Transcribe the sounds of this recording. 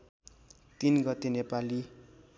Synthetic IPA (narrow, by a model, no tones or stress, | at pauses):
t̪inɡʌt̪ːenepali